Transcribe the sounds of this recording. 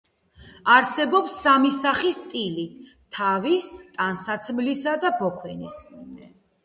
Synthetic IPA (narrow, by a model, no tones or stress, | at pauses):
aɾsɛbɔpsːamisaχist̪ʼili | t̪ʰavist̪ʼansat̪sʰmlisad̪abɔkʰwɛnisɛ